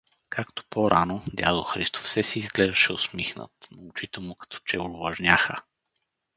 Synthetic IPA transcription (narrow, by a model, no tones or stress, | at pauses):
kʰakt̪o̥pɔɾʔanod̪ʲa̰d̪oxɾist̪o̥fsɛsiːzɡlɛʒd̪ɐʃɛʊsmixnə̰t̪noʊt͡ʃit̪ɛmʊkɐ̥t̪ʰɔ̥t͡ʃɛʊɾvɐʒnʲaxə